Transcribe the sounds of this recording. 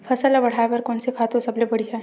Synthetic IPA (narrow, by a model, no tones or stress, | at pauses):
fʰɐsəlabɐɽ̤aːepɐɾkɔːnsekʰaːt̪õsɐblebɐɽiɦɛː